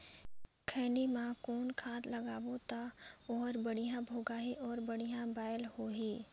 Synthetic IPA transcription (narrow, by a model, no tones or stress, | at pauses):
kʰɛ̃ːɳɖimãkoːnkʰaːt̪ləɡaːbot̪aɔːɾbəɽijãbʱoːɡaːɦiʔɔːɾbəɽ̤ijãbaːjəlhoːɦiː